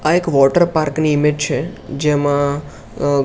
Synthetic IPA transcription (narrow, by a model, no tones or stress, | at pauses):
aekʋɔʈəɾpaɾkniɪmed͡ʒt͡ʃʰed͡ʒemã